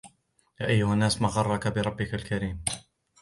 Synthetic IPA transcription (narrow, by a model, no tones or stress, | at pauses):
jaːʔajːʊhanːaːsmaɣɑrˤːɑkabɪɾˤɑbːɪkalkaɾiːm